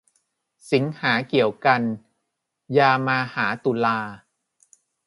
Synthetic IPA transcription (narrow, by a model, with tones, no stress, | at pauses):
si˩˦ŋhaː˩˦ki˨˩əwka˧n | jaː˧maː˧haː˩˦t̪u˧laː˧